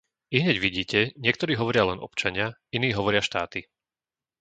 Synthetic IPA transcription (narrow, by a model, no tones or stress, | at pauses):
iɦɲɛɟʋiɟiːcɛɲɪɛkt̪ɔɾiːɦɔʋɔɾɪalɛnɔ̰pt͡ʃaɲɪainiːɦɔʋɔɾɪaʃt̪aːt̪i